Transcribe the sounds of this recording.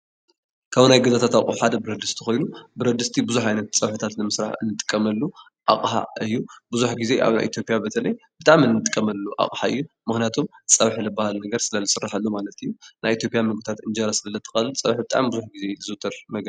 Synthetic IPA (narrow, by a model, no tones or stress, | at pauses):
kʰaβnajɡɐzat̪ʰat̪awʔʼuħad̪ɐbɨɾɐd̪ɨst̪ʰi̥xo̞jnubɨɾɐd̪ɨst̪ʰibɨzuħajnɐt̪t͡sʼɐβħɨt̪ʰat̪nɨmɨsɾa̰ħɨnːɨt̪ʼɨ̥kʼːɐmɐlːu | ʔa̰χʼħa̰ɨjːubɨzuħɡize̞ʔa̰βna̰jʔḭt̪ʰjo̞pʼjabɐt̪ʰɐlɐjb̥ɨt̪ʼaʔmɨnːɨt̪ʼɨkʼːɐmɐlːuʔa̰χʼħaɨ̰jːu | mɨxnijat̪ʰomt͡sʼɐβħilɨbːahalnɐɡɐɾsɨlɐlɐsɨrːaħalːumalɐt̪ɨjːunajit̪ʰjo̞pʼijamɨɡut̪ʰat̪ɨnd͡ʒɐɾasɨlɐlɐt̪ʰːɨ̥xɐlɨlt͡sʼɐβħbɨt̪ʼa̰mbɨzuħɡize̞zɨt̪ʰɐɾmɐɡɐ